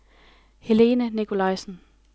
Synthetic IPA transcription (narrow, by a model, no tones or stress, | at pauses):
he̝le̝ːnənikʰo̝lɑ̈ɪsn̩